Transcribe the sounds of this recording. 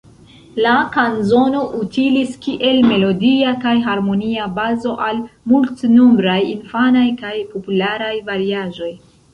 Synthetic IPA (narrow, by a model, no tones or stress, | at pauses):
lakanzo̞no̞ʔutiliskiʔe̞lme̞lo̞diakajɦaɾmo̞niabazo̞ʔalmultnombɾajinfanajkajpo̞pulaɾajvaɾiaʒo̞j